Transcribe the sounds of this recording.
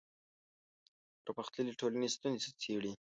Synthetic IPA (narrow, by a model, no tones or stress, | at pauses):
pɾpaxt̪ləliʈʰolanist̪unzesat͡sʰeɽi